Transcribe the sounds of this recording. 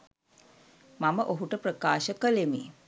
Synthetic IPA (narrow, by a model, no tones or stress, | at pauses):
maməʔoɦuʈəprəkaːʃəkəlemi